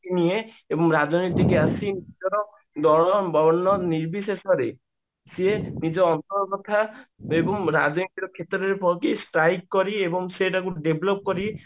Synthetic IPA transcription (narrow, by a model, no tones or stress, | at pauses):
inie | ebɔŋɾad͡ʒɔnit̪ikasinid͡ʒɔɾɔ | d̪ɔɽɔbɔnːɔniɾbisesɔɾe | senid͡ʒɔːnt̪ɔɾɔɡɔt̪ʰːaebɔŋɾa̰d͡ʒɔnit̪iɾɔkʰet̪ɔɾɔɾepɔɾkisʈɾajkkːɔɾiebɔŋseʈakuɖeblop̚kɔɾi